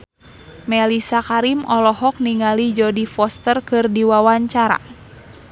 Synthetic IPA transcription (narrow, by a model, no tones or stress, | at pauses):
mɛlisakaɾimɔlɔɦɔk̚niŋalid͡ʒɔdifɔst̪ərkɨrdiwawaɲt͡ʃaɾa̰